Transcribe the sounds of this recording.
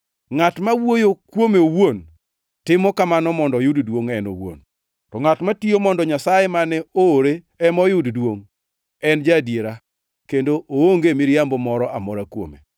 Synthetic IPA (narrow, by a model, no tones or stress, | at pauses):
ŋatmawojokwomeowon | tɪmɔkamanɔmɔndɔjʊddwoŋɛno̰wo̰n | tɔŋatmatiomɔndɔɲasajemanɛoːɾe | ɛmɔjʊddwoŋ | ɛnd͡ʒadjeɾa | kendoʔooŋɡemiɾjambɔmɔɾɔʔamɔɾakwo̰mḛ